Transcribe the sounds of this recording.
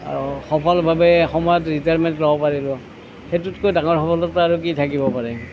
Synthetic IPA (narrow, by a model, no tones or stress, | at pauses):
xɔpʰɔlbʱabɛxɔmɔjɔtɹitaɹmɛntlɔbɔpaɹilɔ | xetutkojdaŋɔɹxɔpʰɔlɔtaɹuk̬itʰakibɔpaɹɛ